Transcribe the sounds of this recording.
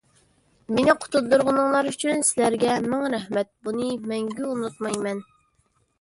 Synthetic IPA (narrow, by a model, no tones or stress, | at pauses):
menɪqʰʊ̥t̪ʰud̪uɾʁənɨŋlˠɑɾyt͡ʃʰynsɪlæɾɡʲɛmæŋɾɛhmɛt̪̚bunɨmɛŋɡʲyunut̪̚mɑjmɛn